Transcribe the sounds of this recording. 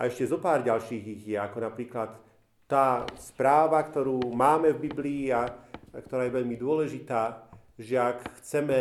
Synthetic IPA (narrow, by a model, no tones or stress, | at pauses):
ʔa̰ɛʃcɛzɔpaːɾɟalʃiːɣiɣjɛakɔnapɾiːklat̪ː | aːspɾaːʋakt̪ɔɾuːmaːmɛvbibliːakt̪ɔɾaːjɛʋɛʎmid̪ʊɔlɛʒit̪aː | ʒɛakxt͡sɛmɛ